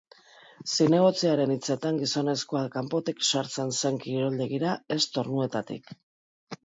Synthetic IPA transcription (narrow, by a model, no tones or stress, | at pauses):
sine̞ɣ̞o̞t͡siaɾe̞nit͡se̞t̪aŋɡiso̞ne̞skoakampo̞t̪ikʃaɾt͡se̞nse̞ŋkiɾo̞ld̪e̞ɣiɾae̞st̪o̞ɾnue̞t̪at̪ḭk